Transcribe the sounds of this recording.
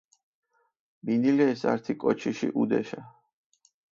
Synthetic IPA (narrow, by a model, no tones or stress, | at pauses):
minilɛːsa̰ɾt̪ʰikʼɔt͡ʃʰiʃḭʔud̪ɛ̰ʃa